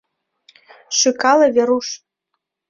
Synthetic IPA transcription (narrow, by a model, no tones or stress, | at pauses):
ʃykɑlɤ̆vʲeɾuʃ